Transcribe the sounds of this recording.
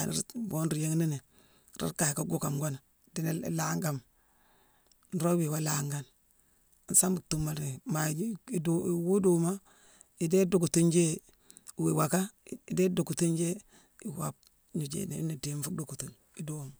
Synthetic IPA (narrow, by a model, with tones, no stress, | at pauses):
a̰˨n̰˦ɾbo˦nɾi˨je˦ŋni˦ni˨ | ɾḭ˦ka˨jka˦ɡu˦ka˨mɡo˦n˨ | di˦nḛ˦˨la˦ŋɡa˦˨m | n̩˨ɾo˦wi˨wa˦la˨ŋɡa˦n˨ | n˦sa˦mbu˨tu˨ma˨ɾi˨ma˨˦˨du˨wu˦du˨ma˦ | i˨de˦du˦ku˨tu˦nd͡ʒe˦˨ | we˨wa˨ka˦˨deː˦du˨ku˨tu˦nd͡ʒe˦ | i˨wa̰˨p̚ | ɲu˨d͡ʒḛ˨ne˨˦ni˨deː˨˦mfu˦du˨ku˨tu˨n | i˨do˦˨m